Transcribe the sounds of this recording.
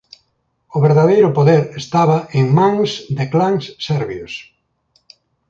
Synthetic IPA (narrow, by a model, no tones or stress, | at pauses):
ʊβeɾðaðejɾʊpoðeɾest̪aβɐeŋmãŋsd̪ɪklaŋssɛɾβjos